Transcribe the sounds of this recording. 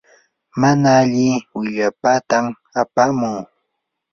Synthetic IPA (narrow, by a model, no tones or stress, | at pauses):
manaːʎɪwɪʎapat̪am | apamʊŋ